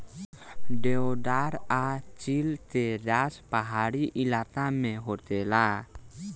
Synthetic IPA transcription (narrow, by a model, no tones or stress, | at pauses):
ɖɛodaɾat͡ʃilt̪edaspaɦaɾiʔilat̪amẽɦot̪ɛla